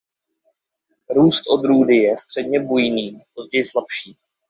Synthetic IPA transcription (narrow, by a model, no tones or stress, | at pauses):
ɾuːst̪ʔo̞d̪ɾuːdɪjɛst̪r̝̥ɛdɲɛbujniːp̚o̞zɟɛjɪslapʃiː